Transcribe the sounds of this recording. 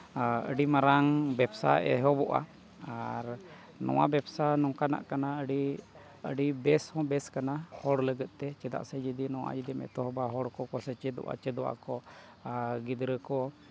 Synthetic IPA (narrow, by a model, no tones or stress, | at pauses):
ə̰ɖimaɾaŋbɛbsa̰ɛ̰ɦɔbɔʔa̰ | aɾ | nɔ̰wa̰bɛbsanɔŋkana̰ʔkanaəɖi | ə̰ɖibɛshɔ̃bɛskanahɔɽləɡət̪̚ˀt̪ɛt͡ʃɛd̪a̰ʔsɛd͡ʒid̪inɔwa̰d͡ʒid̪imɛ̰t̪ɔɦɔbaɦɔɽkɔkɔsɛt͡ʃɛd̪ɔ̰ʔa̰t͡ʃɛd̪ɔʔa̰kɔ | ɡid̪ɾəkɔ